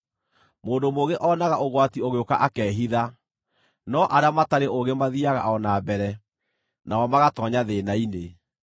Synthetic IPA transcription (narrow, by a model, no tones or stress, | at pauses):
moːndomoɣeʔɔːnaɣaʔoɣwatioɣeokaʔakɛːɦiða | nɔʔaɾeamataɾeʔoɣemaðiaɣa̰ʔɔnabɛɾɛ | nawɔmaɣatɔːɲaðeːnaine